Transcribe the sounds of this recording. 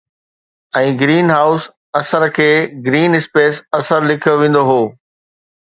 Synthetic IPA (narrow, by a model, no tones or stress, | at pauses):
ɛ̃ːɡɾiːnɦaːʊs | ɐsəɾkʰeːɡɾiːnɪspeːsɐsəɾlɪkʰijoʋẽːn̆d̪oɦoː